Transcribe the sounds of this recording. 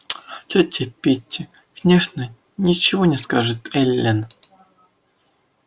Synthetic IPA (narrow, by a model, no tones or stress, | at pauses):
t̪ʲɔtʲʰɪpʲitʲː | vnʲeʂnə | nʲit͡ɕɪvɔnʲɪskaʐɨt̪ɛlʲːen